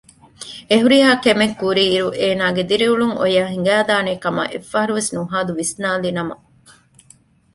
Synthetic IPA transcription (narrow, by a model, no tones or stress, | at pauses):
eɦuɾiɦaːkemekːuɾiːɾuʔeːnaːɡed̪iɾiuɭuŋʔo̰jaːɦiŋ̆ɡæːd̪aːneːkɐmɐ̰ʔefːɐɦɐɾuʋesnuɦaːd̪uʋisnaːlinɐmɐ